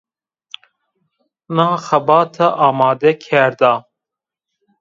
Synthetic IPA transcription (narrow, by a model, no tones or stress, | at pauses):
naːxɐbɑːt̪ʰɐʔaːmɑːd̪ekʲʰɛɾd̪aː